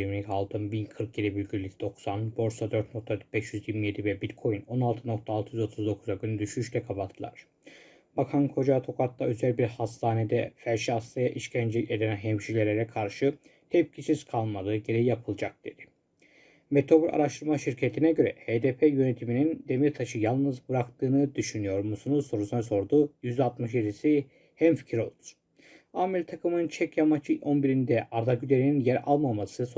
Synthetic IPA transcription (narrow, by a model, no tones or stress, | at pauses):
ɾminikʰalˠt̪ʰɯmbinkʰɯɾk̚ɟed̪ibylʲɟʲyɾlʲicd̪̥o̞ksanbo̞ɾsad̪øɾt̪no̞k̚t̪ʰabɛʃjyziɾmije̞d̪ivɛbilʲkʰo̞jyno̞nalˠt̪ʰɯno̞kt̪ʰaːlˠt̪ʰɯjyzo̞t̪ʰuzd̪o̞kʰuzaɟynyd̪yʃyʃlɛkʰapat̪ʰːɯlˠa̰ɾ̥ | b̥akʰankʰo̞d͡ʒat̪ʰo̞kʰat̪lːaø̞zælʲbiɾhast̪ʰaːned̪ɛfæɾʃiast̪ajaʔiʃcʰænd͡ʒelʲce̞d̪nænɦɛmʃilʲe̞ɾʲeɾɛkʰaɾʃɯ | hɛp̚cʰisiz̥kʰalˠmad̪ɯɟe̞ɾejijapʰɯlˠd͡ʒak̚d̪e̞d̪̥ɪ̥ | met̪ʰo̞bulʲʔa̰ɾaʃt̪ʰɯɾmaʃiɾcʰet̪ʰinɛɟø̞ɾɛ̰heːd̪epʰejø̞ne̞t̪ʰiminind̪e̞miɾt̪ʰaʃɯjalˠnɯzbɯɾakt̪ʰɯːnɯd̪yʃynyjo̞ɾmusunuso̞ɾusunaso̞ɾd̪uːjyzd̪at̪mɯʃjed̪isi | hæmfi̥cʰiɾo̞lˠd̪u̥ | amɛlʲt̪ʰakɯmɯnɯnt͡ʃʰɛcjamat͡ʃʰɯonbiɾind̪ɛʔaɾd̪aɟyd̪e̞ɾininjæɾa̰lˠmamasɯso